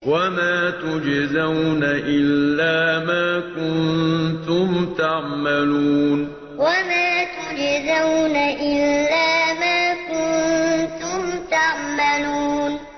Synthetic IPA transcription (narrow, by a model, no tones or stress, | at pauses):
wamaːt̪ʊd͡ʒzawnaʔɪlːaːmaːkʊnnt̪ʊmt̪aʕmaluːn | wamaːt̪ʊd͡ʒzawnaʔɪlːaːmaːkʊnt̪ʊmt̪aʕmaluːn